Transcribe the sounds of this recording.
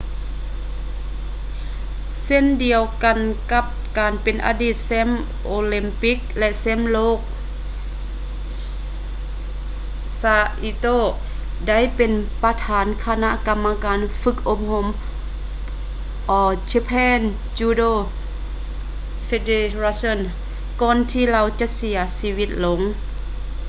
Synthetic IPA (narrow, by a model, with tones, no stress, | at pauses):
se˧˥˨ndi˨˩əwka˨nka˧˥p̚kaː˨npe˨nʔa̰ː˧diː˧˩t̪̚sɛ˧˥˨m | ʔoː˧li˧˥mpi˦˥k̚lɛ˧ʔsɛ˧˥˨mloː˧˥˩k̚ | saː˧ʔi˧t̪oː˧˩ | da˥˨jpe˨npa˧t̪ʰaː˨˦nkʰa˧na˧˥ʔka˧mːa˧kaː˨nfɯ˧˦k̚ʔo˧p̚ho˧˥m | ʔɔː˧˩t͡ɕe˧pʰɛː˧˥˨n | t͡ɕuː˧doː˧˨ | fe˧de˧ɾa˧so˧˥˨n | kɔː˧˨nt̪ʰiː˧la˧˨wt͡ɕa˧ʔsi˨˦ɐsiː˧wi˧˩t̪̚lo˨˦ŋ